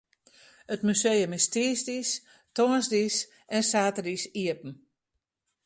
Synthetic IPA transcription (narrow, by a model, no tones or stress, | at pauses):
ətmysejəmɪstiəsdis | tonsdis | ʔɛnsaːtədisiəpn̩